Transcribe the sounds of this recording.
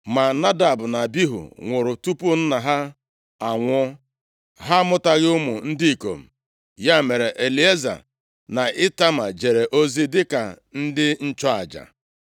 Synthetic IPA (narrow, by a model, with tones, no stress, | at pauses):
ma˨na˦da˨bʊ˨na˨bi˦ɦṵ˨ŋʷʊ˨ɾʊ˨tu˦pʊ˦n̩˦na˨ɦa˦ | a˨ŋʷɔ˦ | ɦa˦mʊ˦ta˨ɣɪ˦ʊ˦mʊ˨n̩˦di˦i˨ko̰˨m̩˨ | ja˦˨me˨ɾe˨ʔe˨li˨e˦za̰˨ | na˨ʔɪ˦ta˦ma˨d͡ʒe˨ɾe˨ʔo˦zi˦dɪ˦ka˨ | n̩˦dɪ˦n̩˦t͡ʃɔ˦a˨d͡ʒa̰˨